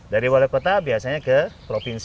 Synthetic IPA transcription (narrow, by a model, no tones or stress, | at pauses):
daɾiwalɛkot̪abiasaɲakəpɾopins